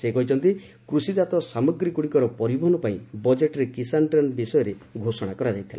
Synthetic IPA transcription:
sekɔɦit͡ʃʰɔnt̪i | kɾusid͡ʒat̪ɔsamɔɡɾikuɽikɔɾɔpɔɾibʱɔɦɔnɔpaĩbɔd͡ʒeʈɔɾekisaɳʈɔnbisɔjɔɾeɡʱosɔɽ̃akɔɾad͡ʒajt̪ʰila

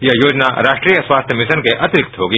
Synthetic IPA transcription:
jɐɦjoːd͡ʒna̰ɾaːʃʈɾijəswaːst̪ʰjəmɪʃənkeʔɐt̪ɪɾɪkt̪ɦoːɡiː

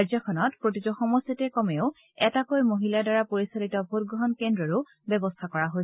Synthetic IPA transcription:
aɹzɔkʰɔnɔtpɹotizɔxɔmɔsitɛkɔmɛʊ | ɛtakojmoɦiladaɹapoɹisalitɔbʱot̚ɡɹɔɦɔnkendɹɔɹʊ | bɛbɔstʰakɔɹaɦojs

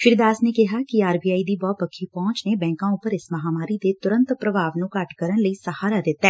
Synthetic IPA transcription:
fʰɪɾd̪aːsneːkɪɦaːkiaːɾbiːjaːid̪iːbɔːt̪̚pəkʰːipɔ̃ːt͡ʃneːbɛ̃ːŋkãːʊpːəɾɪsməɦaːmaːɾid̪eːt̪ʊɾə̃nt̪pɾəbʱaːʋnũːkɐʈkəɾənləiːsəhaːɾad̪ɪt̪ːaɛː

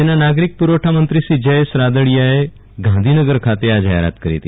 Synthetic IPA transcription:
enːanaɡɾik̚puɾəʈʰamənt̪ɾisiːd͡ʑəjsɾad̪əɭijae | ɡãnd̪ʱinəɡəɾkʰat̪ead͡ʑaɦḛɾa̰t̪kəɾḛt̪i

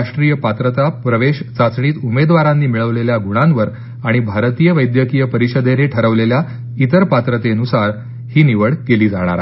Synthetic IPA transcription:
aʂʈɾijəpat̪ɾət̪apɾəʋeɕt͡sat͡sɳ̃iːt̪umed̪ʋaɾanːiːmiɭəʋleljaɡʱuɽ̃ãnʋəɾ | aɽ̃ibʱaɾt̪ijəʋəjd̪jəkijəpəɾiɕəd̪eneʈʰəɾəʋlelja | it̪əɾpat̪ɾət̪eənusaɾ | hiːniʋəɭkeliːd͡zaɽ̃a̰ɾa

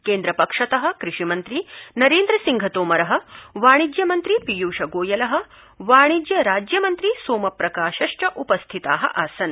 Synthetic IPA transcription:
keːnd̪ɾɐpɐkʂɐt̪ɐɦɐ̆kɾɪʂimɐnt̪ɾinɐɾeːnd̪ɾɐsiŋɡʱɐt̪oːmɐɾɐɦɐ̆ʋaːɳ̃id͡ʒjɐmɐnt̪ɾipijuːʃɐɡoːjɐlɐɦɐ̆ | ʋaːɳ̃id͡ʒjɐɾaːd͡ʒjɐmɐnt̪ɾisoːmɐpɾɐkaːʃɐʂʈɐʔupɐst̪ʰit̪a̰ːɦɐ̰ʔaːsɐn

